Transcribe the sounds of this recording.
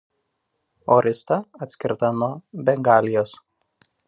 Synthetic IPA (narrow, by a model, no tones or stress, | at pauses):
ɔɾʲʔʲɪst̪ɐɐt̪ʲsʲkʲɪɾt̪ɐnuɔːbʲɛŋɡɑːlʲɪjoːs